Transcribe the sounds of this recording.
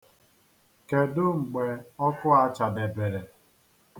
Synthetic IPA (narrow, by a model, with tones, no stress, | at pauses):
ke˨dʊ˦ŋ͡m̩˨ɡ͡be˨ɔ˦kʊ˦a˦t͡ʃa˨de˨be˨ɾe˨